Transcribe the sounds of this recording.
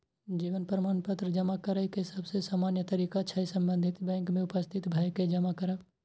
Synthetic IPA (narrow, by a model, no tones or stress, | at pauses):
d͡ʒiːʋənpɾɐmaːnpət̪ɾəd͡ʒɐmakɐɾəikeɪsɐbsesaːmaːnjət̪ɐɾiːkaːʃʰaisɐ̃mbə̃nd̪ʱɪt̪bɛ̃ːŋkmẽʊpəst̪ʰɪt̪bʱaːjked͡ʒɐmakɐɾə